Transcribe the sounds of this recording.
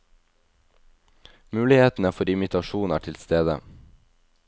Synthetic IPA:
mʉːlɪheːt̪n̩æːfɔɾɪmɪt̪ʰɑʃuːnæ̰ːʈʰɪlst̪eːd̪ə̰

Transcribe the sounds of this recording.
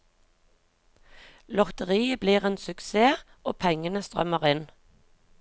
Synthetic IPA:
lɔʁt̪əʁiːəbliːʁeːnsʉkseː | ʔo̰ːpʰɛŋənəst̪ʁœ̰məʁɪn

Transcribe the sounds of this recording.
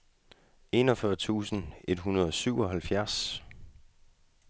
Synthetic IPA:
e̝ːnɒ̽fɶɐt͡sʰṵːsən̩e̝d̥ɦunɐð̞ˠɒ̽syʊ̰ɒ̽ɦælfjæɐs

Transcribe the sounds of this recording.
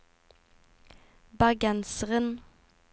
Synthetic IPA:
bɑɡænsəʁən

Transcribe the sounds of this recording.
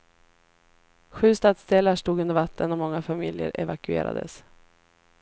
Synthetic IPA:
ɧʉ̟ːst̪ɑːd̪sd̪eːlaʂʈuːɡ̪ɵnd̪əɾvat̪ʰːənɔmɔŋːafamɪljə̰ɾɛ̰vakɵḛːɾa̰d̪əs

